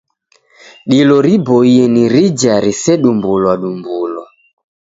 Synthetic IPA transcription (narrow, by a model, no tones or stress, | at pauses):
ɗilɔɾiboieniɾid͡ʒaɾisɛɗumbulwaɗumbulɔ